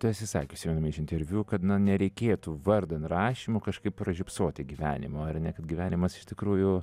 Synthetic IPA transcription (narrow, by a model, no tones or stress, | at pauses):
t̪ɐɪɐt̪ʲsʲɪsɑ̰ːkʲːʊʃsʲimʲɛnomʲɐɪʃɪnʲt̪ʲɛɾʲʋʲjuːkɐt̪nɐnʲɛɾʲɛɪkʲeːt̪uʋɐrd̪ɐnt̪rɑːʃʲimoːkɐʃkɐɪppɾɐʒʲɪpsoːt̪ʲɪɡʲiʋʲæ̰ːnʲɪ̰moːɐrnʲɛkɐt̪ɡʲiʋʲæːnʲɪmɐsɪ̥ʃt̪ʲɪkɾuːjʊ